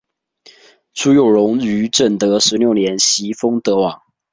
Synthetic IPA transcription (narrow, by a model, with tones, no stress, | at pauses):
ʈ͡ʂʰu˥jo˨˩ʊɻʊ˧˥ŋy˧˥ʈ͡ʂə˥˩nt̪ɤ˧˦ʂɻ̩˧˦ljo˥˨˩ʊnjɛ˨˥nɕi˧˥fɤ˥ŋt̪ɤ˧˥wɑ˨˩˦